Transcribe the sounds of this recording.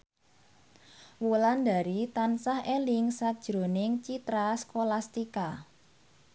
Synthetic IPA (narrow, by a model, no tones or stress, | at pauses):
wuland̪a̤ɾit̪ansahʔelɪŋsad̥ʒ̥ɾo̤nɪŋt͡ʃit̪ɾaskolast̪ika